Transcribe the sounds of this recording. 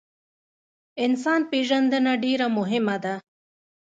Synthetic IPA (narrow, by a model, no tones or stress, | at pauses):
insaːnpiʐɐnd̪ɐnɐɖiːɾɐmʊɦɪmɐd̪ɐ